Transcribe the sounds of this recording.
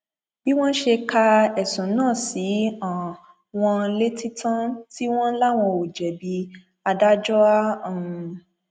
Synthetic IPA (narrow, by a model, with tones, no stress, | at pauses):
b̥i˦w̃ɔ̃˦ʃe˧ka˧ɛ˨sũ˨˦nãː˦˨si˨˦a˨ | w̃ɔ̃˧le˦ti˦tã˦ti˦w̃ɔ̃˦la˦w̃ɔ̃˧o˨d͡ʒɛ˨bi˧ | a˧da˦d͡ʒɔ˦ã˦˨˧